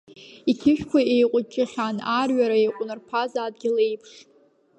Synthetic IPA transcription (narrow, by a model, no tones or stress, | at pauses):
ikʲʰɪʃᶣkʷʰaejqʷʼʊkʲʼʰɪχʲanarɥaɾaejqʷʼʊnɨrpʰazaːd̚ɡʲɪlejpʰʂ